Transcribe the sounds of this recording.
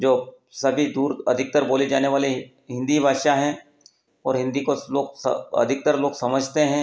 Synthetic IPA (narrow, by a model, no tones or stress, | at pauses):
d͡ʒoː | sɐbʱid̪uːɾɐ̰d̪ʱɪk̚t̪əɾboːled͡ʒaːneʋaːle | ɦɪ̃nd̪ibʱaːʃaɦɛ̃ː | ɔːɾɦɪ̃nd̪ikoloːɡsɐ̰d̪ʱɪk̚t̪əɾloːɡsɐməd͡ʒʱt̪eɦɛ̃ː